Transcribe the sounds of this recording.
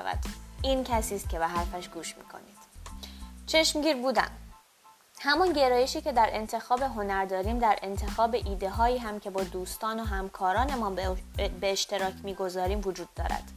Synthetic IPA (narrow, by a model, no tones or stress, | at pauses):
væ̰d̪̥ʔiːncʰæsiːst̪̚cʰe̞beɦæɾfæʃɡ̥uːʃmḭːkʰo̰niːd̪̥ | t͡ʃʰe̞ʃmɟiːɾbuːd̪æ̰n | hæmɒnɟe̞ɾɒːje̞ʃiːce̞d̪æɾʔe̞nt̪ʰe̞xɒːbe̞ɦo̞næɾd̪ɒːɾiːmd̪æɾʔe̞nt̪ʰe̞xɒːbe̞ʔiːd̪e̞ɦɒːjiːɦæmcʰe̞bɒːd̪uːst̪ɒːnoɦæmkʰɒːɾɒːne̞mɒːnbeːʃt̪e̞ɾɒːcʰmiːɡo̞zɒːɾiːmvod͡ʒuːd̪ːɒ̰ːɾæ̰d̪̥